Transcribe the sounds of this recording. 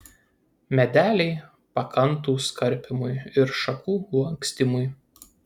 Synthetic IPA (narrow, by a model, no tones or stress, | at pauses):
mʲɛd̪ʲæːlʲɛɪ | pɐkʰɐnˑt̪̬uːskɐɾʲˑpʲɪmʊjɪɾʃɐkuːɐŋʲksʲt̪ʲɪmʊj